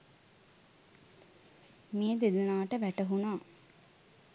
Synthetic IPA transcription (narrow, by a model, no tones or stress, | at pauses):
mejəd̪ed̪unaːʈəʋæʈəɦunaː